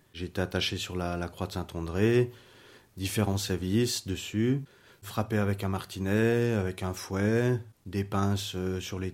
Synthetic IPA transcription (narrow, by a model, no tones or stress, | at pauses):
ʒeːt̪eat̪aʃesyʁlalakχwad̪sɛ̃t̪ɑ̃d̪ʁe | d̪ifeʁɑ̃sɛʁvisd̪əsy | fχapeavɛkɛ̃maʁt̪ʰinɛavɛkɛ̃fwɛd̪epɛ̃søsyʁle